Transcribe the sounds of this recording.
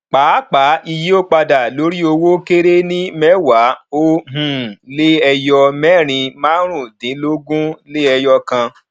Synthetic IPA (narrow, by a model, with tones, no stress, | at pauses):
k͡paː˨˦k͡pa˨˦i˧ji˦o˦k͡pa˧da˨lo˨˦ɾi˦o˧wo˦ke˦ɾe˦nĩ˦mɛ˦wa˨˦o˦ɦũ˨le˦ɛ˧jɔ˧mɛ˦˨ɾ̃ĩ˧mãː˦ɾ̃ũ˦˨dĩ˨˦lo˦ɡũ˦le˦ɛ˧jɔ˧kã˧